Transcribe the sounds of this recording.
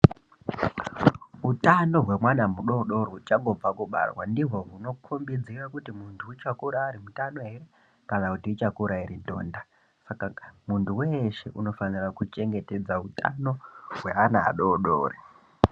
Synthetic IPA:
utano̞ɦwe̞mwanamuɗo̞ɗo̞ɾot͡ʃaŋɡo̞b͡vakuɓa̰rwa̰ndiɦo̞ɦuno̞kʰumbid͡zirakutimuntʰuit͡ʃakuɾaːɾimutano̞ɦe̞re | kanakutiit͡ʃakuɾairidʱo̞̰ːnda | sakamuntʰuweʃe̞̰ʔuno̞fanirakut͡ʃe̞ŋɡe̞te̞d͡zauta̰no̞ɦwe̞ana̰ːɗoɗo̰ːre

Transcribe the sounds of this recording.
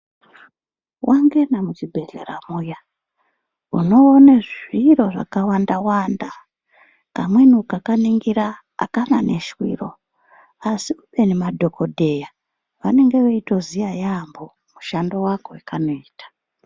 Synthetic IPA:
wʔaŋɡe̞namut͡ʃibʱe̞ɮḛɾa̰muja | uno̞ːneʐiɾo̞ʐa̰kawandawanda | kamwe̞nukakaniŋɡiɾa̰ː | kana̰ne̞̰ʃwḭːro̞ | asiuɓe̞nemadʱo̞kʰo̞dʱe̞ja | ʋane̞ŋɡe̞ʋeito̞zijajambo̞ | muʃando̞wakowekanoiːtḁ

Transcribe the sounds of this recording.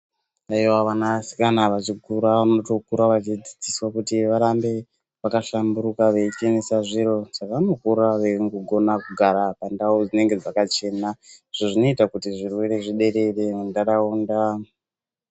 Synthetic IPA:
aiwaʋanasi̥kanaʋat͡ʃikuɾaʋano̞to̞kuɾaʋat͡ʃid͡zid͡ziswakutiʋaɾambe̞ | ʋakaʃambuɾukaʋeit͡ʃenesaʐiɾo̞ʐ̥akano̞kuɾaʋeŋɡuɡʱo̞nakuɡʱaɾapandaud͡zine̞ŋɡe̞d͡zakat͡ʃe̞ːnaʐ̥oʐino̞itakutiʐirwe̞ɾe̞ʐiɗe̞ɾe̞re̞ndaɾauːnda

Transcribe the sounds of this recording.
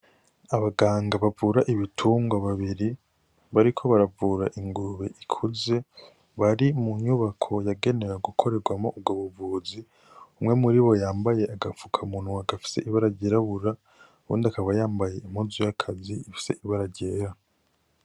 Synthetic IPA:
aβaɡaːŋɡaβavuɾaʔiβitʰuːŋɡaβaβiɾi | βaɾikʰo̞βaɾavuːɾaʔiŋɡuɾuβe̞̰ʔikʰuze̞ | βaɾimuɲuβakʰo̞jaɡe̞ne̞ɾaɡukʰo̞ɾe̞ɾɡwamo̞̰ʔub̚ɡoβuvuːzi | umŋe̞muɾiβo̞jaːmbajeʔaɡafukʰamuːn̥huaɡafi̥seʔiβaɾaɟeɾaβuɾa | βṵːndakaβajaːmbaje̞imhuzujakʰaziːfi̥se̞̰ʔiβaɾaɟeːɾa

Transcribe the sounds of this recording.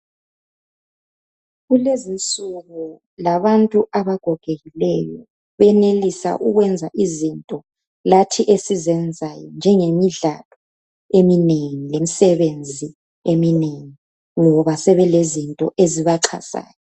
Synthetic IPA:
ɣulezint͡sʼuɣu | laβantʼuʔaβaɡ̥ʱɔɡ̥ʱeɣilɛjɔ | βɛnelisa̰ʔuɣwɛnd͡zʱaʔizintʼɔ | latʰiʔesizɛnd͡zʱajɔnd͡ʒʱɛŋemiɮa̰lɔ | emineŋilemisɛβend͡zʱi | emineŋi | ŋɔβasɛβɛlezintʼɔʔeziβaǁʰa̰sa̰ːjɔ

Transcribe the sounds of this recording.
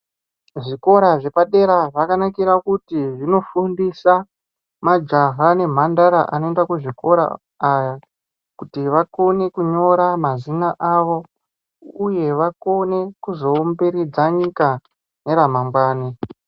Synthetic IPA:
ʐiko̞ɾaʐe̞paɗe̞ɾaʐakanakiɾakutiʐino̞fundisa | mad͡ʒaɦane̞m̤andaɾa̰ʔa̰no̞endakuʐiko̞ɾa̰ː | ja | kutiʋako̞ne̞kuɲo̞ɾamazinaʔaʋo̞ | uje̞ʋako̞ne̞kuzo̞ːmbeɾid͡zaɲika | ne̞ɾamamɡwaːni

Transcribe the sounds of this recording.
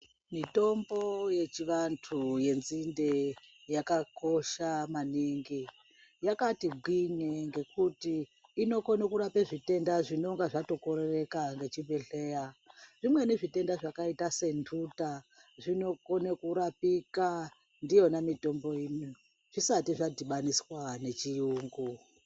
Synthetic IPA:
mito̞mbo̞jet͡ʃiʋantʰuje̞nzindejakako̞ʃamaniŋɡi | jakatiɡʱiɲeŋɡe̞kutiːno̞konakuɾapeʐite̞ndaʐino̞ŋɡaʐato̞koɾere̞kaŋɡe̞t͡ʃibʱeɬeːjaʐimwe̞neʐite̞ndaʐakaitase̞ntʰutaʐino̞konekuɾapika | ndijo̞namito̞mbo̞ini | ʐ̥isatiʐadiɓaniswane̞t͡ʃiuːŋɡu

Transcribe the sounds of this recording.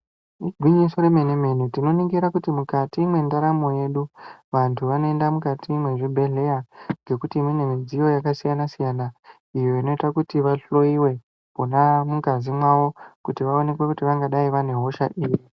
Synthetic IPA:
iɡʱwiɲiso̞ɾe̞meneme̞nutino̞niŋɡiɾakutimukatiːmwe̞ndaɾamo̞je̞ɗuʋantʰuʋano̞endamukatʰiːmwe̞ʐibʱe̞ɮe̞jaŋɡe̞kutiːmine̞mid͡zijo̞jakasijanasijana | ijo̞ino̞itakutiʋaɬo̞iwe̞ | ponamukazimwaʋo̞kutiʋao̞ne̞kwe̞kutiʋaŋɡaɗaiʋane̞ɦo̞ʃaʔiːji

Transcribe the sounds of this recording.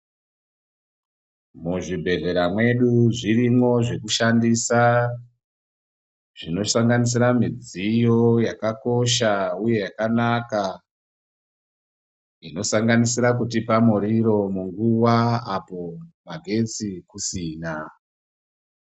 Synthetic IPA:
muʐibʱe̞ɮe̞ɾamwe̞ɗuʐirimwo̞ʐe̞kuʃandisa | ʐ̥ino̞saŋɡanis̬iɾamid͡zijo̞jakako̞ʃauje̞jakanaka | ino̞saŋɡanisiɾakutipamoɾiɾo̞muŋɡuwaapo̞maɡʱe̞t͡sikusiːna

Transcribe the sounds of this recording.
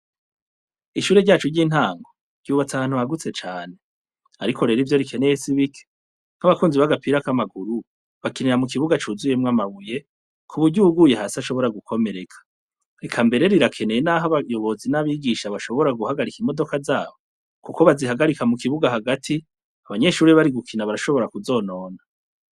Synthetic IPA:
iʃuːɾe̞ɾɟaːt͡ʃuɾɟiːn̥haːŋɡo̞̥ | ɟ̥uːβat͡saβaːn̥huβaɡut͡se̞t͡ʃaːne̞ | aɾikʰo̞ɾe̞ɾivjo̞ɾikʰe̞nejesiβikʰe̥ | ŋ̥aβakuːnziβaɡapiɾakamaɡuɾu | βakiniɾamuk̬iβuɡat͡ʃuzuje̞mŋamaβuje̞ | kʰuβuɟuɡuːjeɦasaʃo̞βo̞ɾaɡukʰo̞me̞ɾe̞kʰḁ | ekʰambe̞ɾe̞ɾiɾakʰe̞ne̞jenaɦaβajo̞βo̞zinaβiɡiʃaβaʃo̞βo̞ɾaɡuhaɡaɾikimo̞do̞kazaːβo̞ | kuko̞βaziɦaɡaɾikamukiβuɡaɦaɡatʰi | aβaɲe̞ʃuːɾiβaɾiɡukʰinaβaɾaʃo̞βo̞ɾakuzo̞ːno̞ːna

